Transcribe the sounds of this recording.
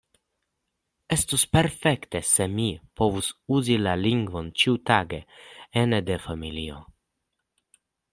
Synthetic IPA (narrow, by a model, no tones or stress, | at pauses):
est̪uspeɾfekt̪esemipovusuzilaliŋɡvont͡ʃiut̪aɡeened̪efamilio̰